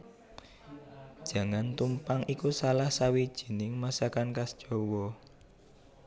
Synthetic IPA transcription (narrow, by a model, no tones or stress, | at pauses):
d̥ʒ̥ä̤ŋant̪umpaŋʔikusalahsawid̥ʒ̥i̤nɪŋmasakankasd̥ʒ̥o̤wɔ